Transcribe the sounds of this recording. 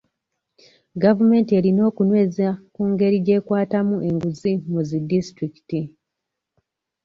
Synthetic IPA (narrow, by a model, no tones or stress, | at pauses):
ɡavume̞ːntie̞lino̞ːkunwe̞ːzakuːŋɡe̞ɾiɟe̞ːkwaːtamuʔe̞ŋɡuzimuzidistɾiki̥ti